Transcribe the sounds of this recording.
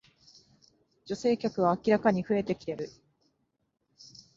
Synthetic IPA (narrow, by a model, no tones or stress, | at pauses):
d͡ʑo̞se̞ːkʲakɯ̟β̞aːkʲiɾakaɲ̟iɸɯ̟e̞t̪e̞kʲi̥ɾe̞ɾɯ̟